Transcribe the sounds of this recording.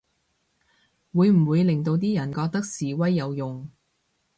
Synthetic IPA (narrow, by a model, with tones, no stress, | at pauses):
wuː˨˧jm̩˨˩wuː˨˧jlɪ˨˩ŋt̪o˧wt̪̬iː˥jɐ˨˩nkɔː˧k̚t̪ɐ˥k̚siː˨wɐ˥jːɐ˨˧wjʊ˨ŋ